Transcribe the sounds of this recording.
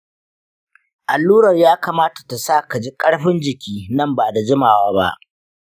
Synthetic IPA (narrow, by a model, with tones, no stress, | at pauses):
ʔa˨lːuː˦ɽɐ˨rjaː˦kaː˨maː˦tḁ˨ta˨saː˦˨ka˨d͡ʒi˦kʼɐ˦ɽɸɪ˦nd͡ʒɪ˨kʲiː˦nɐ˦˨mbaː˨da˨d͡ʒɪ˦maː˨waː˦ba̰˦ʔ